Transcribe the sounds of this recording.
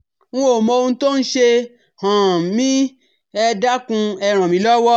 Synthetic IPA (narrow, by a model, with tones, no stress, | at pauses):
wũ˦o˨mɔ̃˧o˧ũ˧to˦n̩˦ʃe˧ | hã˨mĩ˦ | ɛ˧da˦kũ˧ɛ˧˨ɾ̃ã˨mĩ˨˦lɔ˦wɔ˦